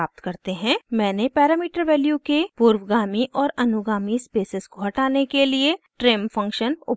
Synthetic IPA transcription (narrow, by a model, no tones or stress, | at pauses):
aːp̚t̪kɐɾt̪eɦɛ̃mɛ̃ːnepɛːɾaːmiːʈəɾʋɛːljukepuːɾwɡaːmiʔɔːɾɐnʊɡaːmispeːsɪskoɦɐʈaːnekelieʈɾeːmfʰɐ̃ŋkʃənʊ